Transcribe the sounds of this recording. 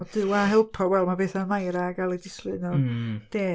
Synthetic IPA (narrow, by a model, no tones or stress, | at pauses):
ɔd̥ɨwaɦɛlˠpʰɔwɛlˠmabeːθamajɾaɡalˠidɪslɨnɔd̥eː